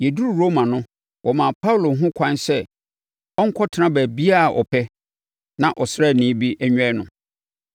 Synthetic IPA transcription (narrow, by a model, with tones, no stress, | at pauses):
jɛ˨du˦ɾu˨ɾo˦mã˨nʊ̃˦ | wʔɔ˨mã˨pʰa˦wlo˨˦ɦʊ̃˦kʷʰã˦nsɛ˦˨ | ɔ˦ŋ̩˦kʰɔ˦tʰɪ˨˦nã˦bæ˨bi˦a˦˨ʔɔ̰˨pʰɛ˦ | nã˨ʔɔ˨sɪɾɛ˦˨nĩ˨˦bi˦ʔæ˦ɲᶣ˦ɛ˦nʊ̃˨